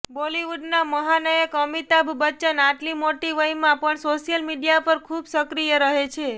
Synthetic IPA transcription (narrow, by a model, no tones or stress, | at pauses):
boliʋuɖnaməɦanəjəkəmit̪abʱbət͡ʃənaʈlimoʈiʋəjmãpəɳsoʃjəlmiɖijapəɾkʰubsəkɾijəɾəɦet͡ʃʰe